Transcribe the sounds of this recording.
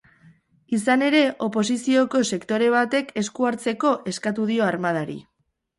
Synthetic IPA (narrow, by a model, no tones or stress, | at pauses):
isane̞ɾe̞ʔo̞po̞s̬isio̞ko̞se̞kt̪o̞ɾe̞β̞at̪e̞ke̞skuaɾt͡se̞ko̞ʔe̞skat̪̬uð̞io̞aɾmað̞aɾḭ